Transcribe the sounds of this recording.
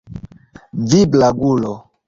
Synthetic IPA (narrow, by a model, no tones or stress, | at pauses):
viblaɡulɔ